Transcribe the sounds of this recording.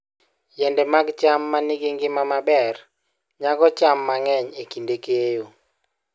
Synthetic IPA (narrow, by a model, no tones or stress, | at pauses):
jɛndɛmaɡt͡ʃamːanɪɡɪŋɡɪmamabɛr | ɲaɡɔt͡ʃamːaŋɛɲekindekejo